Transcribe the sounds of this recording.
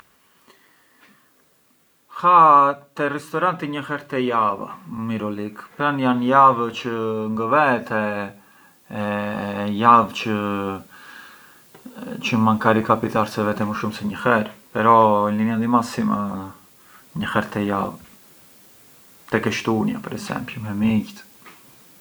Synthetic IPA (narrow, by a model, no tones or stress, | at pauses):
hat̪ɛrɛst̪ɔɾant̪iɲəhɛɾt̪ɛjava̰miɾɔlikpɾanjanjavt͡ʃəŋɡəvɛt̪ɛ | javt͡ʃə | t͡ʃəmankaɾikapit̪aɾsɛvɛt̪ɛməʃumsɛɲəhɛɾpɛɾɔlimiad̪imasima̰ | ɲəxɛɾt̪ɛjav | t̪ɛkɛʃt̪unja̰pɛɾɛsɛ̰mplumɛmiɟt̪